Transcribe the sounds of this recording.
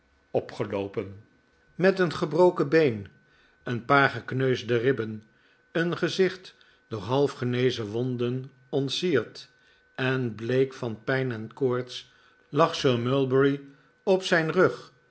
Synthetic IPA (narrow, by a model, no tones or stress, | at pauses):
ɔpχəlowpən | mɛtənχəbrowkəbejn | ənpaːɹχəknøɥzdərɪpən | ənχəzɪχt | dʊːɹɦɑlˠfχənejzəʋɔndən | ɔntsiːɹt | ɛnblejkfɑnpɛjnɛnkʊːɹts | lɑχsøːɹmʏlˠbəɹi | ɔpsɛjnrøχ